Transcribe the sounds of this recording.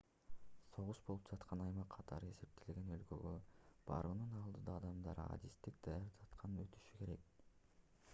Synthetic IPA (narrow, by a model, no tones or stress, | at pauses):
so̞ʁuʃbolˠupd͡ʒɑt̪qʰɑnɑjmɑqʰːɑt̪ʰɑɾɯe̞se̞p̚t̪ʰe̞leɡe̞nø̞lkø̰ɡøb̥ɑ̰ɾɯnɯnɑlˠd̪ɯd̪ɑːd̪ɑmd̪ɑɾɑ̰d̪ist̪ik̚d̪̥ɑjɑɾt̪ʰɑt̪qʰɑnɯnø̞t̪y̥ʃyke̞ɾe̞k̚